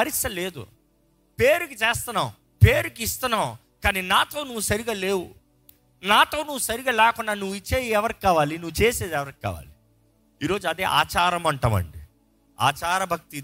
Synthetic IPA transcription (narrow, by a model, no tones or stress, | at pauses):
ɐɾisɐle̞ːd̪ṵ | peːɾukit͡ʃeːst̪unːaːw | peːɾukiist̪unːaːw | kaːniːnaːt̪o̞ːnuʋːusɐɾiɡaːleːwu | naːt̪o̞ːnuʋːusɐɾiɡaːlɛːkunːaːnuʋːit͡ʃːe̞ːd̪iɛʋɐɾiki̥kːaːʋaːlinuʋːut͡ʃeːseːd̪iɛʋɐɾik̚ʲi̥ka̰ːʋa̰ːli | iːɾo̞ːd͡ʒuɐd̪eːʔa̰ːt͡ʃaːɾɐmɐɳʈɐʋɐ̰ɳɖi | a̰ːt͡ʃaːɾɐbʱɐk̚t̪i